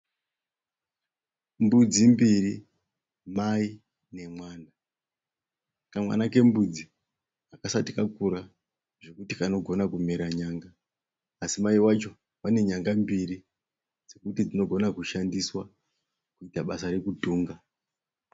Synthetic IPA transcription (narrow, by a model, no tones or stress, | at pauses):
mbud͡zimbiri | mai | ne̞mwaːna | kamwa̰nake̞mbud͡zi | akasatikakuɾa | ʐ̥e̞kutikano̞ɡʱo̞nakumeɾaɲaːŋɡaː | simaiwat͡ʃo̞ | wane̞ɲaŋɡambiri | d͡ze̞kutid͡zino̞ɡʱo̞nakuʃandiswa | kuitaɓasaɾe̞kudʱuːŋɡa